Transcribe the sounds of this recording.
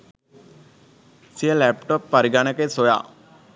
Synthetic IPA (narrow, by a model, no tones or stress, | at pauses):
sijəlæpʈopːaɾiɡanəkesoja̰ː